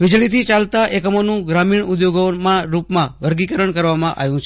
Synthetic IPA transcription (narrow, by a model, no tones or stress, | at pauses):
ʋid͡ʒɭit̪ʰit͡ʃalt̪aʔekəmonũɡɾamiɳud̪joɡomãɾupmãʋəɾɡikəɾəɳkəɾʋamãʔa̰ʋjũt͡ʃʰ